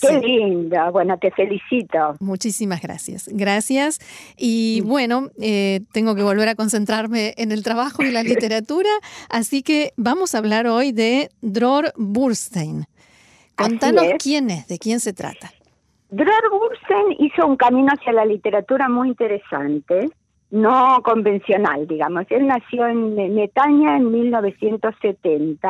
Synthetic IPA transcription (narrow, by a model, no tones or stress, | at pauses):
kelind̪oβwenot̪efelisit̪omut͡ʃisimazɣɾa̰sja̰sɡɾasjas | iβwe̞no̞et̪eŋɡo̞k̬e̞β̞o̞lβe̞ɾako̞nse̞nt̪ɾaɾmeʔːnelt̪ɾaβaxoelalit̪eɾat̪uɾaːsikeβamo̞saβ̞laɾo̞jðed̪ɾoɾβuɾst̪ejn | kont̪anoskjenezðekjense̞t̪ɾa̰t̪a | d̪ɾoɾβuɾst̪ejniso̞uŋkamĩnoasjalalit̪eɾat̪uɾamujint̪eɾesa̰nt̪e | noko̞mbe̞nsjo̞na̰ld̪iɣamoselnasjoenːet̪aɲaenmilno̞βesje̞nt̪oset̪ent̪a